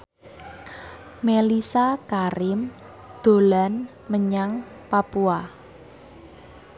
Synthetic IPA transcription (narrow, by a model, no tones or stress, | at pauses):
melisakaɾɪm | d̪̥o̤lan | məɲaŋ | papua